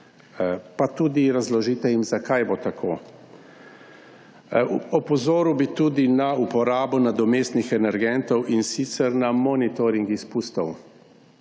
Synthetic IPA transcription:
pat̪uːd̪iɾazlɔʒiːt̪ɛjimzakajbot̪akʰoː | ɔpɔzoːɾuwbit̪ud̪inaupɔɾaːbɔnad̪ɔmeːst̪nixɛnɛɾɡɛnt̪ɔwʔinsit̪sɛɾnamɔnit̪oɾiŋɡispuːst̪ɔw

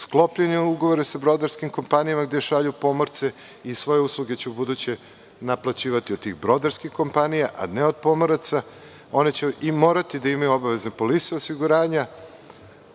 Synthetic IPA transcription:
sklˠo̞pʎeɲeuɡoʋo̞ɾesabɾo̞d̪aɾskimko̞mpanijamaɡd̪e̞ʃaʎupo̞moɾt̪se | isʋo̞je̞uslˠuɡe̞t͡ɕebud̪ut͡ɕe | naplˠat͡ɕiːʋat̪iod̪t̪ːiɣbɾo̞d̪aɾskixko̞mpanijaʔa̰neo̞d̪̚po̞moɾat̪sa | o̞net͡ɕeʔimo̞ːɾat̪id̪aimajuo̞baʋe̞znepo̞lit̪seosiɡuɾaːɲa

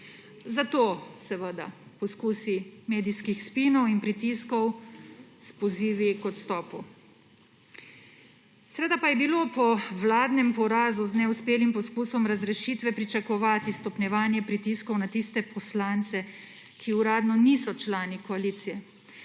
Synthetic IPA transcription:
zat̪osɛʋəd̪a̰pɔskuːsimeːd̪iskixspinɔwinpɾit̪iskɔw | spɔziːʋikɔt̪st̪ɔːpɔ | sɛʋeːd̪apajɛbilopɔʋlaːd̪nɛmpɔɾaːzuznɛuspeːlimpɔskuːsɔmɾazɾɛʃiːt̪ʋɛpɾit͡ʃakɔʋaːt̪ist̪ɔpnʲjɛʋaːnjɛpɾit̪iskɔwnat̪ist̪ɛpɔslant̪sɛ | kʰiuɾaːd̪nɔnisɔt͡ʃlaːnikɔaliːt̪sijɛ

